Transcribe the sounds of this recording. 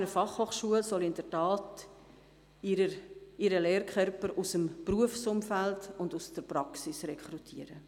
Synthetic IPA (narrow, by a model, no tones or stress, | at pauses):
nəfɑχhoːχʃuəlsɔlɪndətɑːt | əɪɾəleːɾkʰœɾpəɾusəmpruəfsʊmfældʊndusd̥əɾpɾɑksɪsrɛkʰɾutʰiːəɾə